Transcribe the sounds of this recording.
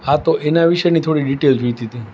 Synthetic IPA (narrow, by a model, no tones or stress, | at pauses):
at̪oʔenaʋiʃəjnit̪ʰoɽiɖiʈeld͡ʒojt̪it̪i